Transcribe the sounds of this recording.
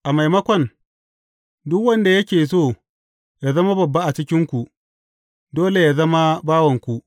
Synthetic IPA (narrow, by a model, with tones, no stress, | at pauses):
ʔa˨ma˨jmɐ˦kʷɐ˨n | dʊ˦kwɐ˦nda˨jɐ˦kʲeː˨s̬oː˦˨ | ja˨zɐ˦ma˦bɐ˨bːa˦ʔa˨t͡ʃɪ˦kʲɪ˦ŋkʷu˨ʔ | doː˦le˨jaː˨zɐ˦ma˦baː˦wɐ˨ŋkʷu˦ʔ